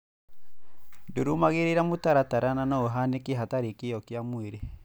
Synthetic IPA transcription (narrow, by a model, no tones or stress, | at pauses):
ndoɾumaɣeɾeɾamotaɾataɾananɔoɦanekiɦataɾikijɔkjamweɾe